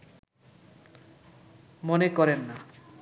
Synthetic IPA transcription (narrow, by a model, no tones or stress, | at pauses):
monekɔɾenːa